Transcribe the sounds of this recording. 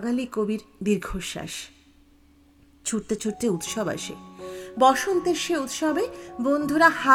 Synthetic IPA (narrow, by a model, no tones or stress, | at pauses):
ɡalikobiɾb̪iɾɡʱoʃːa̰ʃ | t͡ɕʰuɾt̪et͡ɕʰuɾt̪eut̪ʃɔba̰ʃḛbɔʃont̪eɾʃeut̪ʃɔbebond̪ʱuɾaha